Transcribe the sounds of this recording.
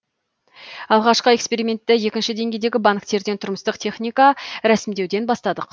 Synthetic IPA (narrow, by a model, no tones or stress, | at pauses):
ɑlˠʁɑʃqəe̞kspe̞ɾijmʲe̞nt̪ːɪje̞kʲɪnʃɪd̪e̞ŋɡʲe̞jd̪e̞ɡʲɪbaŋkt̪e̞ɾd̪e̞nt̪ʰʊɾməst̪əqt̪ʰe̞χnʲijkaɾæsɪmd̪e̞wd̪e̞nbɑst̪ɑd̪əq